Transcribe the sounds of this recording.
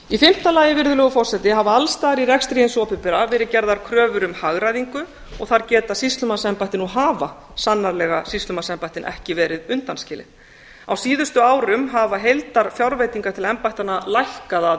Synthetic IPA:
ifɪm̥t̪alaːjɪvɪɾðʏlɛɣʏfɔr̥sɛt̪ɪɦavaalst̪aːɾiɾɛkst̪ɾijɪnsɔːpɪpɪɾavɛːɾɪcɛɾðaɾ̥kʰɾœːvʏɾʏmhaɣɾaðiŋkʏ | ɔɣθaɾcɛːt̪asist̪lʏmasɛmpajht̪ɪnuɦaːva | sanːaɾlɛɣasist̪lʏmasɛmpajht̪ɪnʔɛ̰hcɪvɛːɾɪðʏnt̪anscɪːlɪ̰ | awsiːðʏst̪ʏaːwɾʏmɦavaɦejlt̪aɾ̥fjawɾvejt̪iŋkaɾt̪ʰɪlɛmpajht̪analajhkaða

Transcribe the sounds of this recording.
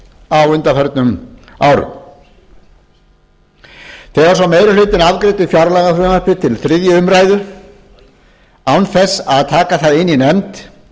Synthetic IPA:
avʏnt̪afɛɾt̪nʏmaːwɾʏ̰m | θɛɣvaɾsawmeːjɾɪʏlʏːt̪ɪnaðkɾɪːt̪ɪfjawɾlaɣaθɾœːmapɪt̪ʰɪlθɾɪðjʏʏmɾaːjðʏ | awnθɛsːaðt̪ʰaːkaθaðɪnːinɛmt̪

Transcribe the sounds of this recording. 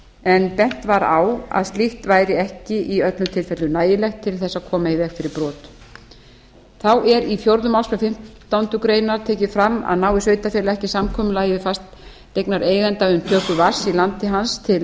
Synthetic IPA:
ɛnpɛn̥t̪vaɾa̰wa̰ðst̪iht̪vaːjɾɪɛhcɪʔiœt̪lʏmt̪ʰɪlfɛt̪lʏnaːjɪlɛxt̪ʰːɪlθɛsːakʰɔːmaɪvɛxfɪɾɪɾpɾɔːt̪ | θawʔɛɾifjowɾðʏmaw̪skɾʏfɪm̥t̪ːawnt̪ʏkɾeːjnaɾ̥t̪ʰeːcɪfɾamːa̰ðnaːwɪsœːɥt̪afɛɾlaɛhcɪsamkʰɔːmʏlaːjvɪfast̪ː | ejknaɾʔeːjɣɛnt̪aʏmt̪ʰœːkʏvaɾ̥silant̪ɪɦanst̪ʰɪl

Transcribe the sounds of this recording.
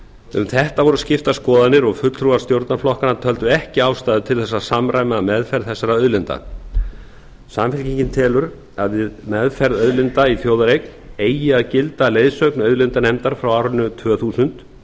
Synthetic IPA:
ʏ̰mθɛht̪avɔɾʏscɪft̪askɔːðanɪɾɔɣfʏt̪lt̪ʰɾuvḁst̪jowɾt̪naɾflɔhkanat̪ʰœl̪t̪ʏɛhcɪaːwst̪aːðʏt̪ʰɪlθɛsːasamɾaːjmamɛðfɛɾðθɛsːaɾaœðlɪnt̪a̰ | samfɪlciɲcɪnt̪ʰɛːlʏɾ | aðvɪðmɛðfɛɾðœðlɪnt̪aiθjowðaɾejkneːjɪaðcɪlt̪alejðsœɥknœðlɪnt̪anɛjmt̪aɾ̥fɾawaːwɾʏnːʏt̪ʰvœːθuːsʏnt̪

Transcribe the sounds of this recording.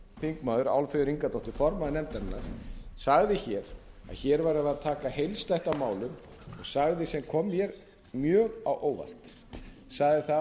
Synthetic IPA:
θiŋkmaːðʏɾa̰wlfɛðʏɾiŋkat̪ɔht̪ɪfɔɾmaðnɛmt̪aɪnːaɾ̥saɣðɪçɛɾa̰ðçɛɾvaɾaðaðt̪ʰaːkahejlst̪ɛht̪amaːwlʏm | ɔɣsaɣðɪsɛmkʰɔmjɛɾ | mjœːɣawʔoːwva̰l̥t̪ | saɣðɪθa

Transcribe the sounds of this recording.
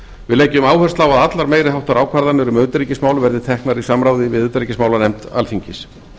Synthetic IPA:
vɪðleːjcːʏmaːwhœr̥st̪lawaðat̪laɾmeːjɾɪhawht̪aɾaːwkʰvaɾðanʏɾʏmœɥt̪ɾicɪsmaːwlvɛɾðɪt̪ʰɛhknaɾisamɾaːwðɪvɪðʏt̪ɾicɪsmaːwlanɛmt̪a̰lfiɲcɪs

